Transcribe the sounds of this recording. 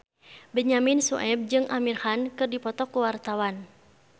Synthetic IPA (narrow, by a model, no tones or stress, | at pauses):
bəɲaminsṵʔɛb̚d͡ʒɨŋʔamirhankɨrdipɔt̪ɔkuwart̪awan